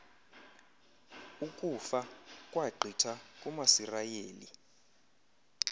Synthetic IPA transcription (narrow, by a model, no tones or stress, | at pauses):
ukʼufakʼwaɡ͡ǃʱitʰakʼumasirajeːlḭ